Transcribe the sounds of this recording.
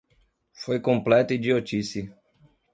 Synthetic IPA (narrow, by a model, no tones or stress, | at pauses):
fojkõmplɛt̪ʊid͡ʒiot͡ʃisi